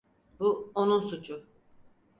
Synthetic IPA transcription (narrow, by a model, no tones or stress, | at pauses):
buonunsut͡ʃʰʊ